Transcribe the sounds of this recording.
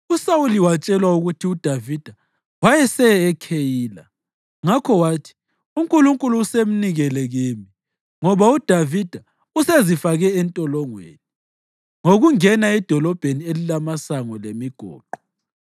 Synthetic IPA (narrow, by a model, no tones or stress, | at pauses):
usawuliwat͡ʃʼɛlwauɣutʰiud̥ʱavid̥ʱa | wajɛsɛːkʰejiːla̰ | ŋakʰɔwaːtʰi̥ | uŋkʼuluŋkʼuluːsem̩niɣɛlɛɣiːmi | ŋɔβaud̥ʱavid̥ʱa | usezifaɣɛːntʼɔlɔŋwḛni | ŋoɣuŋɛnaɛd̥ʱɔlɔb̥ʱenielilamasaŋɔlemiɡ̥ʱɔ̰ːǃɔ